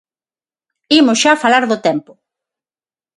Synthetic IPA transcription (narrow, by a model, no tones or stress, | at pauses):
imʊsʃafalaɾðʊt̪ɛmpʊ